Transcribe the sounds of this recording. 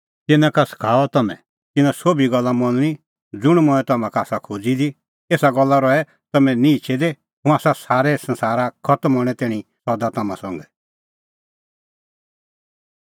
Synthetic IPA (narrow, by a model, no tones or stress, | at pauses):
t̪ɪnãkasə̥kʰaːɔt̪ɐmɛ̰̃ | t̪ɪnãsoːbiɡɔlːamɔ̃nɽ̃i | d͡zʊɽ̃mɔ̃ɛ̃t̪ɐmãkaaːsakʰud͡zid̪i | eːsaɡɔlːaɾɔɛ | t̪ɐmɛ̃nĩit͡ʃʰɛd̪e | ɦũaːsasaːɾɛsɐ̃nsaːɾakʰɔt̪mɦɔɽ̃ɛt̪ɛːɽ̃ĩsɔd̪at̪ɐmã̰sɔ̃ŋɡɛ